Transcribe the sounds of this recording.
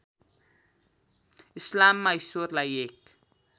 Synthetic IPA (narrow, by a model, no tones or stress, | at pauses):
islamːajsurlajek